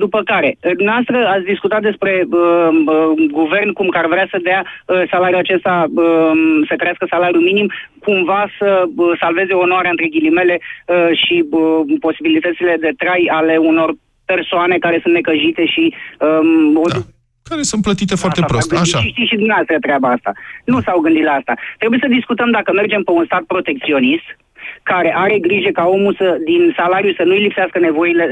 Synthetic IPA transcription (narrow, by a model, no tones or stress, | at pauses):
d̪upəkaɾe̞d̪umneast̪ɾəat̪sʲd̪iskut̪at̪̚d̪e̞spɾe̞əəɡuve̞rnkumkarvɾeasəd̪asalaɾjuat͡ʃe̞st̪aəsək̪əɾeaskəsalaɾjuminimkumvasəəsalve̞zeoːnoaɾeaɨnt̪ɾe̞ɡʲilime̞le̞əʃiəpo̞sibilit̪ət̪sile̞d̪e̞t̪ɾajale̞uno̞r | pe̞rsoane̞kaɾe̞sunt̪nekəʒit̪e̞ʃiəo | kaɾesun̚plət̪it̪e̞foaɾat̪epɾoat̪ɨaʃaʃiʃt̪iʃid̪umneast̪ɾət̪ɾeabaast̪a̰nusawɡɨnd̪it̪laast̪at̪ɾebujesəd̪iskut̪əmd̪akəme̞rd͡ʒe̞mpe̞unst̪at̪̚pɾo̞t̪e̞k̚t̪sio̞nist̪ | kaɾe̞ʔaɾe̞ɡɾiʒe̞kao̞mulsəd̪insalaɾijusənuijlipseaskəne̞vo̞ile̞